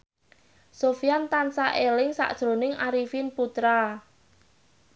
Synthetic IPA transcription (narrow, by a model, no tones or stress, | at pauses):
sofijant̪ansaʔelɪŋsa̰ʔd̥ʒ̥ɾo̤nɪŋaɾifinput̪ɾa